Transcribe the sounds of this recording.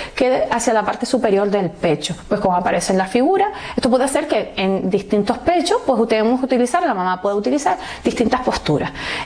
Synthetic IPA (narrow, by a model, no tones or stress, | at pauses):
ke̞asjalapaɾt̪e̞supe̞ɾjo̞ɾðe̞lpe̞t͡ʃopwe̞sko̞moapaɾe̞senlafiɣuɾae̞st̪o̞pwe̞ðase̞ɾke̞end̪iht̪int̪o̞hpe̞t͡ʃo̞hpwe̞sut̪eemohut̪ilisaɾlamãmãpwe̞ðeut̪ilisaɾ | d̪iht̪int̪ahpo̞hst̪uɾa̰s